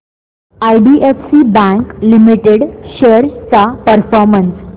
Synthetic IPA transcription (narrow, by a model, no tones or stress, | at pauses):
ajɖiʔefsibæ̃ŋklimiʈeɽɕeɾt͡sapəɾfɔɾməns